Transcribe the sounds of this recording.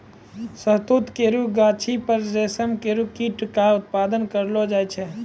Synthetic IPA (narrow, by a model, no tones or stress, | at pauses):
səɦt̪ut̪keɾuɡat͡ʃʰipəɾd͡ʒeːsəmkeɾukiʈkaʊt̪̚paːd̪ənkəɾlod͡ʒaːjt͡ʃʰɛ